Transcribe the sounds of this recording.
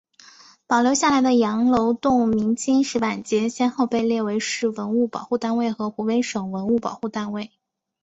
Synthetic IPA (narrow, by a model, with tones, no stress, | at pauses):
pɑ˨˩ʊljo˧˥ʊɕja˥˩la˧˥ɪd̪ə˧jɑ˧˥ŋlo˧˥ʊt̪ʊ˥˩ŋmi˧˥ŋt͡ɕi˥nʂɻ̩˧˥pa˨˩nt͡ɕjɛ˥ɕjɛ˥nxo˥˧ʊpe˥˧ɪljɛ˥˩we˧˥ɪʂɻ̩˥˩wə˧˥nu˥˩pɑ̰˨˩ʊxu˥˧t̪a˥˧nwe˥˩ɪxɤ˧˥xu˧˥we˥ɪʂɤ˨˩ŋwə˧˥nu˥˩pɑ˨˩ʊxu˥˩t̪a˥˧nwe˥˩ɪ